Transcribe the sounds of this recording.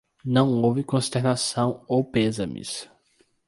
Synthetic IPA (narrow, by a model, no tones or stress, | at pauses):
nɐ̃w̃owvɪkõst̪eɾnasɐ̃w̃owpezɐmḭs